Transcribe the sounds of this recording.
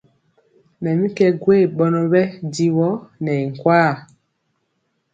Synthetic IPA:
mɛ˨mĩ˦kɛ˦ɡwe˦˨ɓɔ˨˦nɔ˦βɛ˦di˦wɔ˦nɛ˨i˨ŋ̩˨kwaː˦˨

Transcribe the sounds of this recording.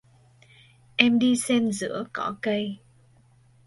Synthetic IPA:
ʔɛ˧mɗi˧sɛ˧nzɨ̰˧˥əkɔ˧˥kə˧j

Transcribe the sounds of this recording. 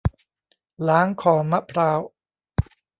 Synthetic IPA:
laː˨˦ŋkʰɔː˩˦ma˦˥pʰɾaː˦˥w

